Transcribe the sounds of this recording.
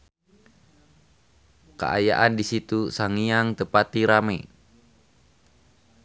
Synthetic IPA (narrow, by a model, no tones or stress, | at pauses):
kə̰ʔa̰ja̰ʔandisit̪usaŋijaŋt̪əpat̪iɾamɛ